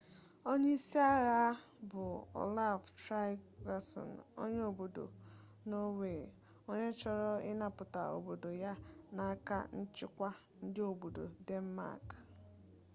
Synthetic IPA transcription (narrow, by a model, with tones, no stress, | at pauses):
o˦ɲe˦i˦si˦a˦ɣa˦bʊ˨ɔ̰˨la˦˨vtɾa˦ɡa˨sɔ̰˨no̰˦ɲe˦o˨bo˨do̰˨ | no˦we˨ | o˦ɲe˦t͡ʃɔ˦ɾɔ˦ɪ˦na˨pʊ˨ta̰˨o̰˨bo˨do˨ja˦na˨a˦ka̰˦n̩˦t͡ʃɪ˦kʷa˦ | n̩˦dɪ˦o˨bo˨do̰˨de˦n̩˦ma̰˦˨k